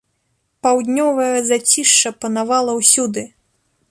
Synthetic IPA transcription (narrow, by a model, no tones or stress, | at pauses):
pawd̪ʲnʲɔvɐjɐzat͡sʲiʂt͡ʂɐpɐnavalˠɐwsʲud̪ɨ